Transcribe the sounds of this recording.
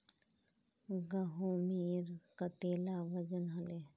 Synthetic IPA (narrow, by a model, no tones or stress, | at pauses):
ɡɐɦomiːɾkat̪eːlaʋəd͡ʒənɦɐle